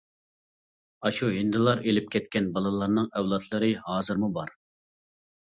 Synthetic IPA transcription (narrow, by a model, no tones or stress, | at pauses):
ɑʃuɦɪnd̪ɨlˠɑɾelɪp̚kʲɛt̪kʲɛnbɑlˠɨlˠɑɾnɨŋɛwlˠɑt̪ʰlˠɨɾɨhɑːzɨɾmubɑɾ